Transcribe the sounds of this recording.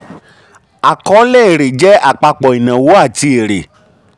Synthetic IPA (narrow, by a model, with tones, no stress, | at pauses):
a˨kɔ˨˦le˦e˨ɾe˨d͡ʒɛ˦ʔa˨k͡pa˧k͡pɔ˨i˨nã˨wo˨˦a˦˨ti˧˦e˨ɾe˨